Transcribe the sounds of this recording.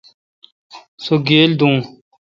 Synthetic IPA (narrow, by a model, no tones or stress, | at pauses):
soɡeːld̪ũː